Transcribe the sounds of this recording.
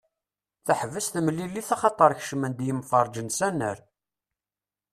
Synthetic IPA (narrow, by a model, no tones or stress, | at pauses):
θæħəvːəsθməlːilːiθɑχɑt̪ˤəɾˤç̥ʃəmənd̪jəmfɑɾˤd͡ʒənsænːə̰ɾ